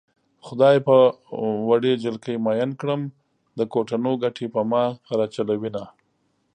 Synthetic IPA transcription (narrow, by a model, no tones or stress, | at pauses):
xʊd̪ɑjpə | waɖed͡ʒalkəjmɑjankɽəm | d̪əkoʈanoɡaʈʰepəmɑɾɑt͡ʃalawina